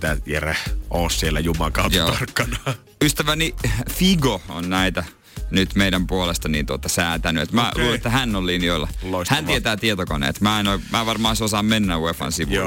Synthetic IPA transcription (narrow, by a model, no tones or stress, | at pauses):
t̪æjerehʔoːssielːæjumɑkɑˑutj̪o̰ːɑrkːɑnɑ | yst̪æʋænifiɡoo̰nnæit̪æ | nyt̪meiɾæmpuolest̪ɑnḭnt̪uot̪ɑsæːt̪ænyḛt̪mæluet̪ːæhænːollinioilːɑ̰ohænt̪iet̪æːt̪iet̪okonḛːt̪mæːnomæːʋɑrmɑːsosɑːmmenːæwefɑ̰nsiʋṵ